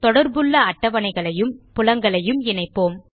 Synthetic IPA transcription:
t̪ɔɽɐɾbɯɭːɐɐʈːɐʋɐnɐɪɣɐɭɐjɯmpʊlɐŋɡɐɭɐjɯmɪnɐɪpːoːm

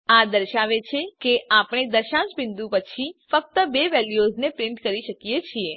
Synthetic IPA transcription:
ad̪əɾʃaʋet͡ʃʰekeʔapɽ̃ed̪əɾʃãd͡ʒbɪnd̪ũpət͡ʃʰifək̚t̪əbeʋɛljoznepɾɪɳʈkəɾiʃəkijet͡ʃʰie

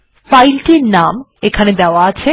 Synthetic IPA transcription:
pajlʈiɾnam | ekʰaned̪eoaat͡ɕʰe

